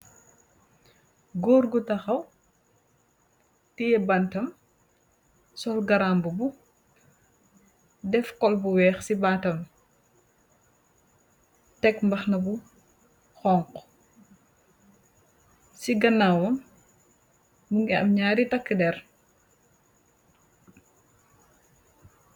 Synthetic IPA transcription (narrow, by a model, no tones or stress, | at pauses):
ɡoːɾɡutɐxɐw | tijɛbɐntɐm | sɔlɡɐɾaːmbubu | dɛfkɔlbuwɛːxsibaːtɐm | tɛkmbɐxnɐbu | xɔːŋq | siɡɐnːawɐm | muŋɡiɐ̰mɲaːɾitɐkːədɛr